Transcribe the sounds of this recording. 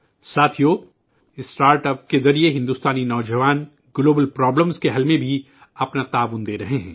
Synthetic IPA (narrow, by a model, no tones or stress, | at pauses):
saːt̪ʰijoː | ɪsʈaːɾʈəp̚kezɐɾieɦɪ̃nd̪uːst̪aːninɔːd͡ʒɐʋaːn | ɡloːbəlpɾɔːbləmskeɦɐlmẽbʱi | ɐpnat̪aːʋʊnd̪eːɾɐɦeɦɛ̰̃ː